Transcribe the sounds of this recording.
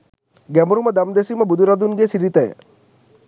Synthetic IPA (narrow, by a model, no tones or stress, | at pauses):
ɡæmoɾumɐd̪ɐmd̪esiməbud̪uɾɐd̪unɡesiɾit̪ɐjə̰